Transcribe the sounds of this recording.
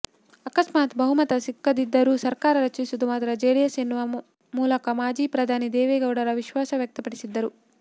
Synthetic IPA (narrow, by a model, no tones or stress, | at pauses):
ɐkɐsmaːt̪bɐɦumɐt̪ɐsikːɐd̪id̪ːɐɾuːsɐɾkaːɾɐɾɐt͡ʃisud̪umaːd̪ɐɾɐd͡ʒeːɽijɐsenːuʋɐ | muːlɐkɐmaːd͡ʒiːpɾɐd̪ʱaːnid̪ɛːʋɛːɡɐwɽɐɾɐʋiʃʋaːsɐʋjɐk̚t̪ɐpɐɽisid̪ːɐɾu